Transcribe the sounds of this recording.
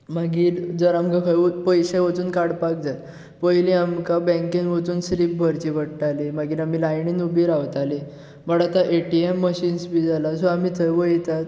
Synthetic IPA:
maɡiːɾd͡zəɾamkakʰəjupəjɕeʋət͡s̪uːnkaɽpak̚d͡zat̪ | pəjliamkabɛ̃ŋkenʋət͡s̪uːnsɾip̚bʱəɾt͡ɕiːbəɽʈalimaɡiːɾamiːlajɳiːnubiːɾaʋt̪ali | məɽat̪aʔeʈiemːəɕiːnsbiːd͡zalasoamiːt̪ʰəjʋəjt̪at̪

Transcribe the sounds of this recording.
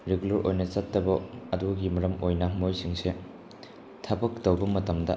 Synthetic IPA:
ɾeɡulɐɾʔojnɐt͡ʃɐtːɐbɐɐduɡimɐɾɐmʔojnɐmojsiŋse | tʰɐbɐk̚tɐwbɐmɐtɐmdɐ̰

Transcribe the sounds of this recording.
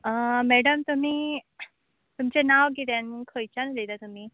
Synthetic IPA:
əmɛɽəmt̪um̤iː | t̪umt͡ɕenaʋɡit̪janukʰəjt͡ɕanled̪at̪um̤iː

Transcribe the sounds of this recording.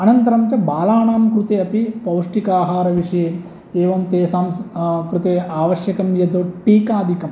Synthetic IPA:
ɐnɐnt̪ɐɾɐmt͡ʃɐbaːlaːɳaːmkɾut̪eːɐpipɐwʂʈikaːɦaːɾɐʋiʂɐjeː | eːʋɐmt̪eːsaːmskɾut̪eːaːʋɐʃjɐkɐmjɐd̪oʈiːkaːd̪ʱikɐm

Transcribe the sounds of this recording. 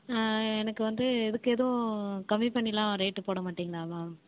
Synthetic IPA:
ɛnɐkːɯʋɐnd̪ɯɛðɯkːɯɛːðɐʋʊ̃kɐmːipɐɳːɪlãːɾɐjʈːɯpoːɽɐmaːʈːiŋɡɐɭaːʋaː

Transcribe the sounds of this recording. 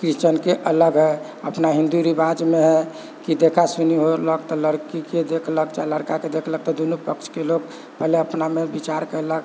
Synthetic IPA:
kɾit͡ʃənkeʔələɡɦɛ | əpnaɦĩnd̪uɾibad͡ʒmeɦɛ | kid̪ekʰasuniɦoləkt̪ɔləɾkiked̪ekʰləkt͡ʃaləɾkaked̪ekʰlək̚t̪ɔd̪onupəkt͡ʃʰkeloɡ | pɛɦleəpnamebit͡ʃaɾkəɛlək

